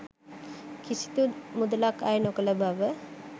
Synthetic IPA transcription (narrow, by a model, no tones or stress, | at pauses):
kisi̥t̪umud̪əlakajnokələbʱaʋə